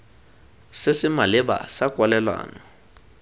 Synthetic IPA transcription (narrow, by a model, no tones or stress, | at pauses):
sɪsɪmalɪba̰sakʼwalɛlwa̰ːnɔ